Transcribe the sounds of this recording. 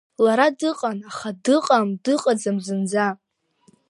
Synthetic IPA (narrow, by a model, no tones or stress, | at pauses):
laɾadɨqʼanaχadɨqʼamdɨqʼad͡zamzɨnd͡za